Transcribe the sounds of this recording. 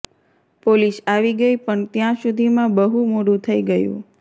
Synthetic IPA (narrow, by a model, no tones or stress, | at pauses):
polisaʋiɡəipəɳt̪jãsud̪ʱimãbəɦumoɽũt̪ʰəiɡəjṵ̃